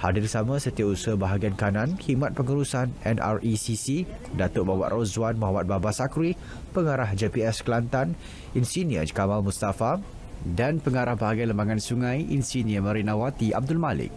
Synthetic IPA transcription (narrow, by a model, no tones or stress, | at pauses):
ha̰dirsamãsət̪iausuəbaɦaɡiankanãnhimãt̪̚pəŋəɾusanɛnʔa̰risisidat̪oʔbawa̰ʔ̪rozwanmɔɦamat̪̚babasakɾi | pəŋaɾahd͡ʒepiɛsklant̪an | insiniə̰d͡ʒkamalmust̪afa | danpəŋaɾahbaɦaɡialəmbaŋansuŋãjʔḭnsiniəmə̃ɾinãwat̪iʔa̰b̚dʊlmalɪ̰k̚